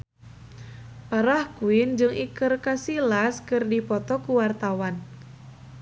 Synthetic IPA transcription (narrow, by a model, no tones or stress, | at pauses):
paɾahkuɪnd͡ʒɨŋʔikɨrkasilaskɨrdipɔt̪ɔkuwart̪awan